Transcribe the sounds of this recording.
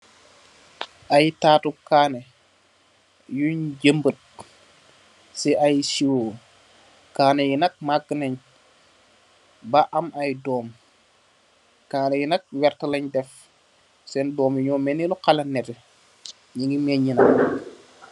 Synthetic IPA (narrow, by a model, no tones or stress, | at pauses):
ʔajtaːtukaːne | juɲɟəmbət̚ | siʔajsiwo | kaːnejinɐk̚maɡːənɐɲ | baʔɐmʔajdɔːm | kaːnejinɐk̚wɛɾtəlɐɲdɛf | sɛndɔːmjiɲɔːmɛnilɔkalɐnːɛtɛ | ɲiŋɡimɛɲːinɐk